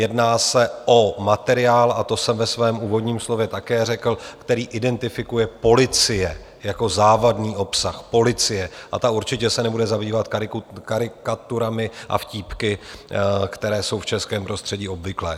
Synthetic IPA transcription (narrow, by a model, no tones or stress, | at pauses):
jɛdnaːsɛʔo̞mat̪ɛɾɪaːlat̪o̞sɛmvɛsvɛːmuːvo̞dɲiːmslo̞vjɛt̪akɛːrɛkl̩kt̪ɛɾiːʔɪdɛnt̪ɪfɪkujɛpo̞lɪt͡sɪjɛ | jako̞zaːvadniːʔo̞psaxpo̞lɪt͡sɪjɛʔat̪auɾt͡ʃɪcɛsɛnɛbudɛzabiːvat̪kɪkaɾɪkat̪uɾamɪʔa̰fciːpkɪ | kt̪ɛɾɛːso̞wft͡ʃɛskɛːmpɾo̞st̪r̝̥ɛɟiːo̞bvɪklɛː